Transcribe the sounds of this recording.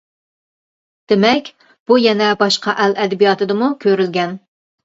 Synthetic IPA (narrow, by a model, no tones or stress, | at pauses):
d̪̥ɪmɛkʲ | b̥ujɛnɛbɑʃqɑʔɛlɛd̪ɛbijɑt̪ɨd̪ɨmukʲʰøɾylɡʲɛn